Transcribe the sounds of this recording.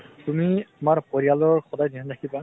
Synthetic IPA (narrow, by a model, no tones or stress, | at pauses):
tumiamaɹpoɹialɔɹxɔdajdiɦɔntʰakʰiba